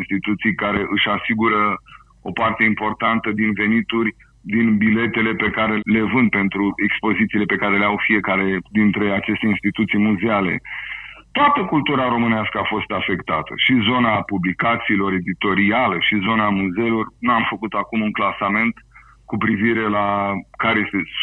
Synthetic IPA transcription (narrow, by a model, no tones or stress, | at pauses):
nst̪it̪ut̪sijkaɾe̞ʔɨʃasiɡuɾə | o̞part̪e̞impo̞rt̪ant̪əd̪inve̞nit̪urʲ | d̪inbile̞t̪e̞le̞pe̞kaɾe̞le̞vɨnd̪̚pe̞nt̪ɾue̞kspo̞zit̪siːle̞pe̞kaɾe̞leawfije̞kaɾe̞d̪int̪ɾe̞at͡ʃe̞st̪e̞inst̪it̪ut̪sijmuzeale̞̰t̪oat̪əkult̪uɾaɾo̞mɨneaskəafo̞st̪afe̞kt̪at̪ʰə̰ʃizo̞napublikat̪siːlo̞ɾe̞d̪it̪o̞ɾialəʃizo̞namuze̞lo̞rnuamfəkut̪akumuŋklasame̞nt̪ | kupɾiviɾe̞lakaɾejest̪e